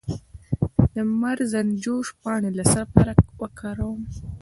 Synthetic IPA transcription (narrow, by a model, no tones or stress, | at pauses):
d̪əmaɾzand͡ʒoʃpɑɳelasapaɾawəkʰɑɾawəm